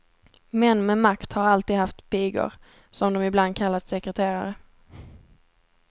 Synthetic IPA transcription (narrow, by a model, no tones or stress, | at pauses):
mɛnːmɛmakt̪haɾalt̪iːd̪haft̪pʰiːɡʊ̰ɾ | sɔmd̪ɔmɪbland̪̚kʰalːat̪sɛkɾɛt̪ʰeːɾa̰ɾə